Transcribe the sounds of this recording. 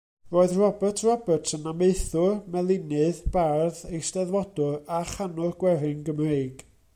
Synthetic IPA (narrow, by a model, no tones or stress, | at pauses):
roːɨðrɔbətʰrɔbətʰənameɨθʊrmɛlˠɪnɨðb̥arðejstɛðwɔdʊraχanʊrɡwɛɾɪŋɡəmreɨɡ̥